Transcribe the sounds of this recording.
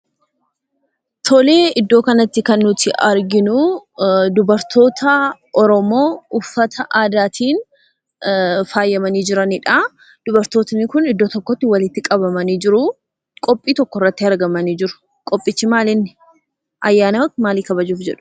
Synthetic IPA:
t̪ʰole̞ːʔɪd̪ːo̞ːkɐnɐt̪ːɪkɐnːʊt̪ɪʔɐɾɡɪnʊ | d̪ʊbɐɾt̪ʰo̞ːt̪ʰɐʔɔɾɔmo̞ːʊfːɐt̪ʰɐʔaːd̪aːt̪ʰiːn | faːjːɐmɐniːd͡ʒɪɾɐnɪᶑa | d̪̥ʊbɐɾt̪o̞ːt̪ɐnːɪkʊnɪd̪ːo̞ːt̪ɔkːɔt̪ːɪwɐlɪt̪ːɪkʼɐbɐmɐniːd͡ʒɪɾʊ | kʼɔpʼːiːt̪ɔkːɔrːɐt̪ːɪɐɾɡɐmɐniːd͡ʒɪɾʊ̥ | kʼɔpʼːɪt͡ʃːɪmaːlɪnːɪ | ʔɐjːaːnɐwɐkmaːliːkɐbɐd͡ʒuːfd͡ʒɛᶑʊ̥

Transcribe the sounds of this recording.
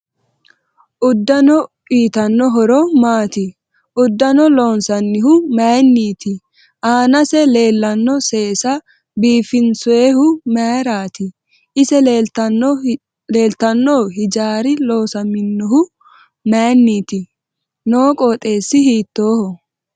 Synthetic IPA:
ʔʊd̪ːɐnɔ | iːt̪ɐnːɔɦɔɾɔmaːt̪ɪ | ʔʊd̪ːɐnɔloːnsɐnːɪɦʊmɛːnːiːt̪ɪ | ʔaːnɐsɛleːlːɐnːɔse̞ːsɐ | biːfɪnsʊeːhʊmeːɾaːt̪ɪ | ʔɪsɛn | le̞ːlt̪ɐnːoːhɪd͡ʒaːɾɪlo̞ːsɐmɪnːɔɦʊ | meːnːiːt̪ɪ | noːkʼoːt̪ʼe̞ːsːɪhiːt̪ːoːhɔ

